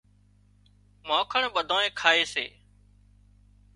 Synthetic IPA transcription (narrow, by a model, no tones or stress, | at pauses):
maːkʰəɳɓəd̪ʱoːẽːkʰaːeːsḛː